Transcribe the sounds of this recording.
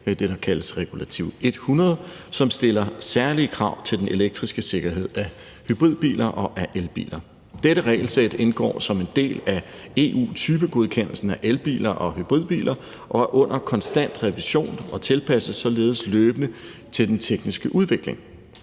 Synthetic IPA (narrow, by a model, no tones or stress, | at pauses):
d̥e̝ɾ̥ɑ̈kʰæləsʁɛɡ̥ulæt͡sʰiʊ̰e̝d̥hunʁɐð̞̩ˠsɒ̽msd̥e̝lɐsæɐliəkʰʁɑ̈ʊ̰t͡sʰe̝ld̥enʔe̝leɡ̥̚d̥ʁisɡ̥əse̝ɡ̥ɐɦe̝ð̞̰ˠæ | hyb̥ʁið̞̰ˠb̥ḭːlʔɐʔɒ̽ʔæʔelb̥ḭːlɐ | d̥eɾəʁɛːɪl̩sed̥e̝nɡ̥ɒ̰ːsɒ̽me̝nd̥e̝̰ːlæ | e̝ːʔṵːt͡sʰyːb̥əɡ̥o̝ð̞ˠkʰen̰l̩sn̩æʔelb̥ḭːlɐʔɒ̽hyb̥ʁið̞̰ˠb̥ḭːlʔɐ | ʔɒ̽æɐʔɔ̽n̰ʔɐkʰɒ̽nsd̥æn̰d̥ʁɛʋiɕo̝̰ːnɒ̽t͡sʰe̝lpʰæsəsɒ̽le̝ːð̞̩ˠsløːb̥ənət͡sʰe̝ld̥ent͡sʰeɡ̥nisɡ̥əʔuð̞ˠʋe̝ɡ̥le̝ŋ